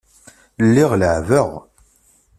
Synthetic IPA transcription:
lːiʁləʕvəʁ

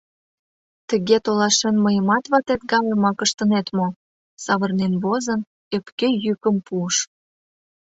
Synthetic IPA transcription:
t̪ə̆ɣet̪olɑʃenməjəmɑt̪βɑt̪et̪ɡɑləmɑkəʃt̪ə̆net̪mo | sɑβə̆rnenβozən | epkejykə̆mpuəʃ

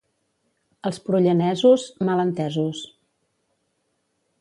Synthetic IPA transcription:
əlˠspɾuʎənɛzuzmələnt̪ɛzus

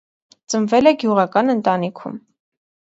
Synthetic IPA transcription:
t͡səɱvɛlɛɡjuʁɑkɑnənt̪ɑnikʰṵm

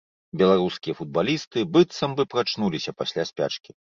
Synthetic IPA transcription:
bʲɛlˠaɾuskʲijɐfud̪̚balʲist̪ɨbɨt̪sɐmbɨpɾat͡ʂnulʲisʲɐpasʲlʲasʲpʲa̰t͡ʂkʲi

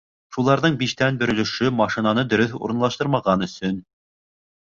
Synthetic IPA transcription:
ʃulˠɑɾðɤɴbiʃt̪ænbɵ̆ɾɵ̆lɘ̆ʃɵmɑʃĭnɑnɤd̪ɵ̆ɾɵθṵɾɤ̆nlˠɑʃt̪ɤɾmɑʁɑnɵ̆sɵn

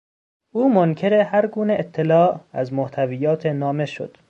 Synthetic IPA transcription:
ʔuːmoncʰe̞ɾehæɾɡuːneʔet̪ʰːelɒːʔæzmoht̪ʰæviːjɒːt̪ʰenɒːme̞ʃo̰d̪̥

